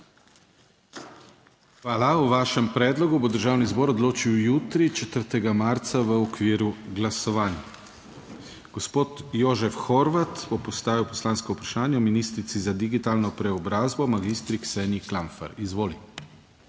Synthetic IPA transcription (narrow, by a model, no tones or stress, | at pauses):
xʋaːlauʋaːʃɛmpɾɛːd̪lɔɡubod̪əɾʒaːwnizbɔːɾɔd̪loːt͡ʃiwjuːt̪ɾit͡ʃɛt̪əɾt̪ɛɡamaɾt̪saʋəɔkʋiːɾuɡlasɔʋaːnja | ɡ̥ospoːt̪joʒɛfxɔɾʋat̪b̥ɔpɔst̪aːʋiwpɔ̥slaːnskɔupɾaʃaːnjaɔminiːst̪ɾit̪sizad̪iɡit̪aːlnɔpɾɛɔbɾaːzbɔmaɡist̪ɾiksɛnjiklaɱfa̰ɾizʋoːli